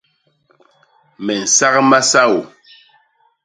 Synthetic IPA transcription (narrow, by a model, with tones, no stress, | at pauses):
mɛ˨n̩˨sa˦ɣma˦sa˦wo˨